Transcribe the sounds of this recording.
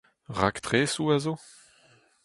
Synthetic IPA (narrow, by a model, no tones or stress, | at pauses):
ʁa̰kt̪ʁeːsuazo